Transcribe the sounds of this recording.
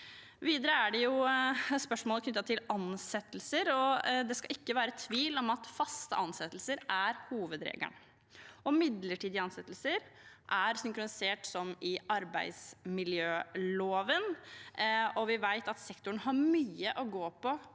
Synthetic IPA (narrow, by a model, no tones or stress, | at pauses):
ʋiːd̪əɾəæɖɛjʊspœʂmoːləkʰnʏt̪ːɑt̪ʰɪlɑnsɛt̪ːəlsəɾɔd̪ɛskɑɪkːəʋæːɾət̪ʰʋiːlɔmɑt̪fɑst̪ə̰ʔɑnsɛt̪lsəɾʔæɾhuːʋəd̪ɾḛːɡə̰ɳ | ɔmɪd̪ləʈʰiːd̪ɪɑnsɛt̪l̩səɾʔæɾsʏŋkɾʊnɪseːʈsɔmɪɑɾbæɪsmɪljøːloːʋən | ɔʋɪʋæɪt̪ɑt̪sɛkt̪ʊɳɦɑɾmyːəʔɔɡoːpʰɔ